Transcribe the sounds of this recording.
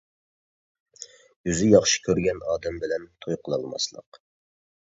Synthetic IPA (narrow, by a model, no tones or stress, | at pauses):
jyzɪjɑχʃi̥kʲʰøɾɡʲɛnɑːd̪ɛmbɪlɛnt̪ʰojqʰəlˠɑ̰lˠmɑ̰slˠə̰q